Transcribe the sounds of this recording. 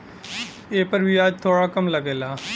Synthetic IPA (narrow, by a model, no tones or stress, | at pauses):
eːpəɾbʱiːəd͡ʒt̪ʰoːɽaːkəmləɡeːlaː